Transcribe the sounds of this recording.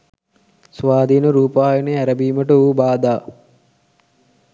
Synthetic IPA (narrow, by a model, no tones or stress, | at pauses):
sʋaːd̪ʱiːnəɾuːpaːjeneæɾəbiːməʈəuːbaːd̪aː